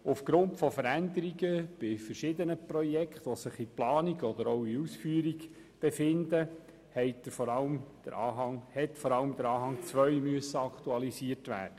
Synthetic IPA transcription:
ufɡ̥ɾʊntfɔfəɾænd̪əɾiɡəb̥ɪfəɾʃɪd̪ənəprɔjɛkχt̪ʋɔsɪχiplɑːniɡɔd̪əɾoʊiusfyːɾiɡ | b̥efɪnd̪ə | hɛɪtəɾfɔɾɑləmd̪̥ə̰ɾʔɑːɦɑŋhɛt̪fɔɾɑləmd̪əɾɑːɦɑŋt͡sʋœjmyəsːəɑkt̪uɑlisiətʋæ̰ːd̥ə

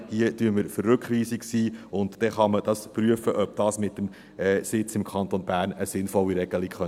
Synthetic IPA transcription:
d̥iətyəməɾfərːʉkχʋiːsiksiːʊntd̥ɛχɑməd̥ɑspɾyəfəʔœb̥̚d̥ɑːsmɪtːəm | ɛːsɪt͡sɪmkʰɑnt̪onbæːɾnəsɪnfɔlːiɾɛɡ̥əlɪkχœ

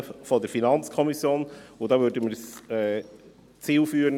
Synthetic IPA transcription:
fɔdəɾfinɑnt͡skʰɔmisjoːnʊdɑːvøɾdəməɾsɛ | t͡siːlfyːəɾə

